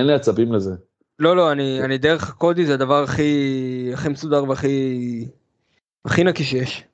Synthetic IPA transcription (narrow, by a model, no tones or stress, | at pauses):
enleat͡sabimleze | lo̞lo̞anianid̪eʁeχako̞d̪izead̪avaʁaχiaχimesud̪aʁveaχi | a̰χinakiʃ̬jeʃ